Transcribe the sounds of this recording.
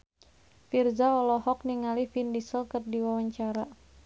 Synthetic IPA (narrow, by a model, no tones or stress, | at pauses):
firzaɔlɔhɔk̚niŋalifindisəlkərdiwawaɲt͡ʃaɾa